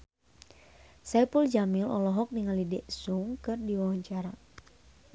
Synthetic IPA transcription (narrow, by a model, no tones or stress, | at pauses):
sajpuld͡ʒamilɔlɔɦɔk̚niŋalidɛʔsuŋkɨrdiwawaɲt͡ʃaɾa